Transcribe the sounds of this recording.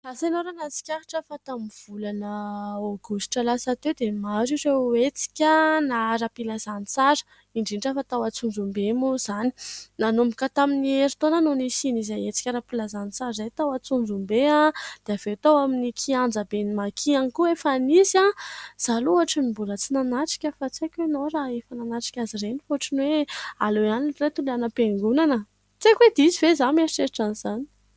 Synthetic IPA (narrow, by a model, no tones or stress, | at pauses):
lasenoɾanat͡si̥kʲaɾiʈ͡ʂəfat̪amiv̥ulanəoɡusʈ͡ʂəlasat̪ewd̪emaziɾeet͡si̥kʲənaɾapilazanit͡saɾə̥ | iɳɖ͡ʐiɳʈ͡ʂəfat̪awat͡sund͡zumbemuz̥ani̥nanumbikat̪aminieɾit̪onanonisinizajet͡si̥kʲaɾapilazanit͡saɾzajt̪awat͡sund͡zumbead̪̥eav̥et̪awaminikʰiand͡zabenimakʰianikuefanizaz̥aluaʈ͡ʂinimbulət͡sinanaʈ͡ʂi̥kʲəfat͡sekʲenoɾaefananaʈ͡ʂi̥kʲazirenifoaʈ͡ʂinwealojaninret̪ulanəpeŋɡunanə | t͡sekwed̪izivezanimesiʈ͡ʂeɾiʈ͡ʂaniz̥ani̥